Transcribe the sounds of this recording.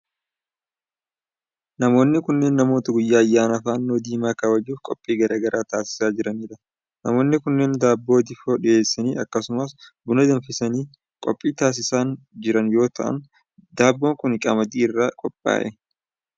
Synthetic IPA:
nɐmo̞ːnːɪkʊnːe̞ːnːɐmoːt̪ɐɡʊjːaːɐjːaːnɐfaːnːoːd̪iːmaːkaːwɐd͡ʒːuːfkʼɔpʼːiːɡɐɾaːɡɐɾʔaːt̪aːsɪ̥saːd͡ʒɪɾɐniːᶑɐ | nɐmo̞ːnːɪkʊnːeːnd̪aːbːo̞ːd̪ɪfoːᶑɪʔe̞ːsːɐniːʔɐkːɐsʊmɐsbʊnɐd̪ɐnfɪsɐniː | kʼɔpʼːiːt̪aːs̬ɪsaːn | d͡ʒɪɾɐnjo̞ːt̪ɐʔɐ̰n | d̪aːbːo̞ːŋkʊnɪkʼɐmɐd̪iːɪrːaːkʼɔpʼːa̰ːʔɛ

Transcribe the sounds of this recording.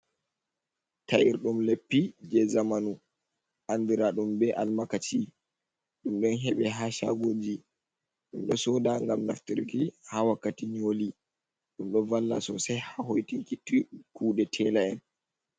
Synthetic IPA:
taʔiɾɗumlepːid͡ʒɛzamanu | ʔand̪iɾaɗumbɛʔalmakat͡ʃi | ɗumɗɔnɦɛɓɛɦaʃa̰ɡoːd͡ʒi | ɗumɗɔsɔːdaŋɡamnaftiɾkihawakːatiɲoli | ɗumɗɔvalːasɔsajhahojtiŋkitikuːɗɛtʰɛlaɛn

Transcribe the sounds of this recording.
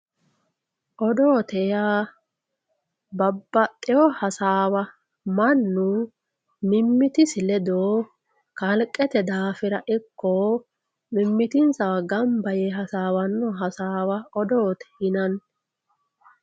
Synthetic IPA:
ʔɔd̪oːt̪ɛjaː | bɐbːɐt̪ʼːɛɔhɐsaːwɐ | mɐnːʊ | mɪmːɪt̪ɪsɪlɛd̪oː | kɐlkʼːɛt̪ɛd̪aːfɪɾɐʔɪkːoː | mɪmːɪt̪ɪnsɐwɐɡɐmbɐjɛɦɐsaːwɐnːɔɦɐsaːwɐɔd̪oːt̪ɛ̥hɪnɐn

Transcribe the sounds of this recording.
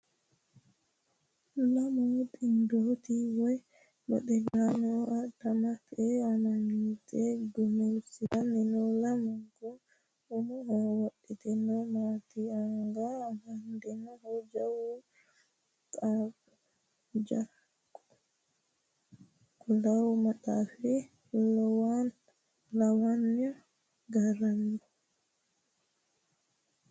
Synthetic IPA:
lamɔɗindotiwɔj | ma̰ɗɛlanɔʔatamatɛananitʰɛɡumelsianɛnɔlamaɡɔ | ɔmɔhɔwoɗitɛnɔmatiaŋɡahandinɔhɔd͡ʒawu | tʼa | d͡ʒa | kɔ | kɔlawmatafi | lɔwan | lawanjɔ | ɡaɾandɔ

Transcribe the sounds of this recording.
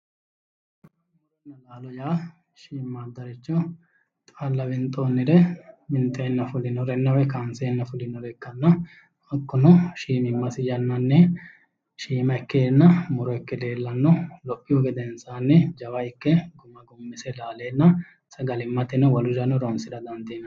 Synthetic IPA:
ɐ | ɾɛnːɐlaːlɔjaː | ʃiːmːaːd̪ːɐɾɪt͡ʃːɔ | t̪ʼalːɐbɪnt̪ʼoːnːɪɾɛmɪnt̪ʼːɛɪnːɐfʊlɪnɔɾɛnːɐwɛkaːnsɛnːɐfʊlɪnɔɾɛkːɐnːɐ | ɔkːʊnɔʃiːmɪmːɐsɪd͡ʒɐnːɐnːɛ | ʃiːmɐɪkːeːnːɐmʊɾɔɪkːɛd̪e̞ːlːɐnːɔlɔʔʼːɪjɔɡɛd̪ɛnsaːnːɛd͡ʒɐwɐɪkːɛɡʊmɐɡʊmːɪsɛlaːleːnːɐ | sɐɡɐlɪmːɐt̪ɪnɔwɐlʊd͡ʒɐnːɔɾonsɪd̪ɐd̪ɐnd̪eːnɐ

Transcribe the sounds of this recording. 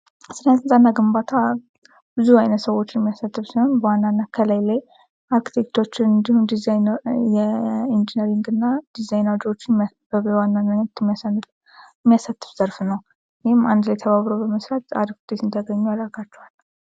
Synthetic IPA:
sɨljat̪ɨnzʼanːaɡɨmbat̪ʰa | bɨzuajnət̪səwo̞t͡ʃːɪnɛmːijasat̪ːɨfsiho̞nbəwanːanːakʰəlajlaj | aɾki̥t̪ʰe̞kt̪ʰo̞t͡ʃːɪnɨnd̪ihund̪izajnjɛind͡ʒinəɾiŋɡɨnːad̪̥izajnawd͡ʒwo̞t͡ʃːɪ | bəβəwanːanmanɛt̪mːijasanːɨf | mːijasat̪ʰːɨ̥fz̥əɾfnəw | jihɪmand̪lajɛt̪ʰəβaβɾobəməsɾat̪a̰d̪ɡu̥t̪et̪ɨnd̪ʰəɡəɲːualəlɡat͡ʃːɛhalː

